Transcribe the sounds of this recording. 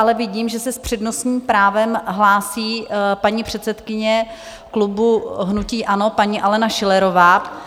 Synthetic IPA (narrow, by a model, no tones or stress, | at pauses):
ʔalɛvɪɟiːmʒɛsɛspr̝̥ɛdno̞sɲiːmpɾaːvɛmɦlaːsiːpaɲiːpr̝̥ɛt̪sɛt̪kɪɲɛ | klubuɦnuciːʔano̞paɲiːʔalɛnaʃɪlɛɾo̞vaː